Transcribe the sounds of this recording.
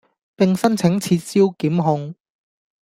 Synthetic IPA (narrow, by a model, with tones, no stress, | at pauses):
pɪ˨ŋsɐ˥nt͡sʰɪ˨˥ŋt͡sʰiː˧t̚siː˥wkiː˨˥mɦʊ˧ŋ